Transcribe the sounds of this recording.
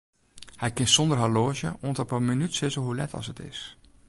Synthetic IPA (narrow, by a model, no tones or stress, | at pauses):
hɛjkɪnsɔndərɦaloːzjə̰ʔoəntəpəminytsɪsəɦulɛ̰tʰɑ̰sətɪ̰s